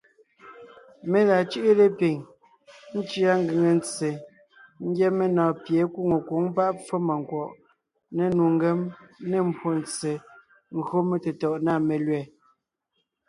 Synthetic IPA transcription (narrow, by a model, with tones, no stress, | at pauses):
me˨la˨t͡ʃɯ˦ʔe˦le˦pi˨ŋ | n̩˦t͡ʃi˦a˦ŋ˦ɡɯ˨ŋe˨nt͡se˨ | ŋ̩˦ɡjɛ˦me˦nɔː˨pje˨˦ku˦˨ŋo˨ko˨˦ŋpa˦ʔp͡fɔ˦ma˨ŋkwɔ˨ʔ | ne˦nu˨ŋ̩˦ɡe˨˦mne˦m̩˨bʰwo˨nt͡sːe˨ | ŋ̩˦ɣo˦me˦te˨tɔ˨ʔna˦˨me˨lɥɛ˨